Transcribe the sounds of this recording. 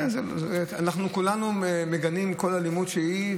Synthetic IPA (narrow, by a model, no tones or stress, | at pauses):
enzeanaχnukulanuemeɡanimko̞lalimudʃei